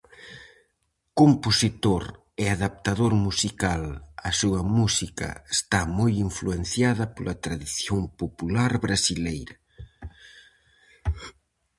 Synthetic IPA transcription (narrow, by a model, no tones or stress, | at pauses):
komposit̪oɾ | ɛaðap̚t̪aðoɾmusikalasuɐmusikɐ̰est̪amojiɱfluen̟θjaðɐpolʔɐt̪ɾaðiθjoŋpopulaɾβɾasilejɾɐ